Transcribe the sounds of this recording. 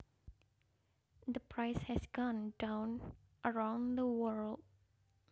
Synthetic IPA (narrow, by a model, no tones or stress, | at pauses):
d̪əpʰɹaɪshɛsɡɔ̃ndãʊ̃n | ʔəɹãʊ̃nd̪əwəɹld̚